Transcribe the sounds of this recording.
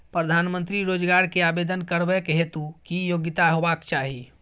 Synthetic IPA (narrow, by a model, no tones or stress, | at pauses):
pɾəd̪ʱanmənt̪ɾiɾod͡ʒɡaɾkeabed̪ənkəɾbɛkeɦet̪ukijoɡit̪aɦobakt͡ʃaɦi